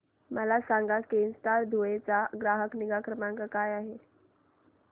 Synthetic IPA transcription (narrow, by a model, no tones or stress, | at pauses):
məlasaŋɡakenst̪aɾd̪ʱoet͡saɡɾaɦəkniɡakɾəmãŋkakajaɦe